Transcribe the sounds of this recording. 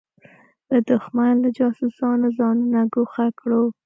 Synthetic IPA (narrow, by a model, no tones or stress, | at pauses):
d̪əd̪ʊxmanlad͡ʒɑsʊsɑnozɑnunaɡoxakɽo